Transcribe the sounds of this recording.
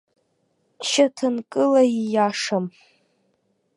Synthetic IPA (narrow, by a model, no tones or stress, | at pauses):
t͡ʃʰatʰɨnkʼɨlaijaʂam